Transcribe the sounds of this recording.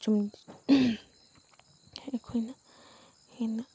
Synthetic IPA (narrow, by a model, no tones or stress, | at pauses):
t͡ʃũm | hẽʔkʰinã | hinã